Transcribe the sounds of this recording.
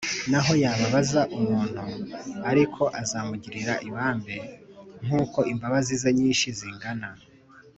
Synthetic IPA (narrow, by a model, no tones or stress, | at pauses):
naɦo̞jaːβaβazaʔumuːn̥huaɾikʰo̞ʔazamuɟiɾiɾaʔiβaːmbe̞ŋ̥uːko̞imbaβazizaɲiːnʃiziŋɡana